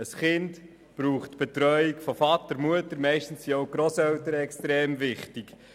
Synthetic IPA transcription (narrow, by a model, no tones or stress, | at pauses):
əsχɪnt | pɾuːχtb̥etɾœʏikfofɑtəɾmuətəɾmɛɪʃtn̩ssioʊɡ̥ɾosɛwtəɾəɛkstɾeːmvɪχtik